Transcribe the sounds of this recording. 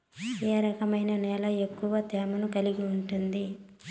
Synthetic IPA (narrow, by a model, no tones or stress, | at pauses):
eːɾɐkɐmɐjnɐnɛːlɐe̞kːuʋɐt̪ɛːmɐnukɐliɡiuɳʈund̪i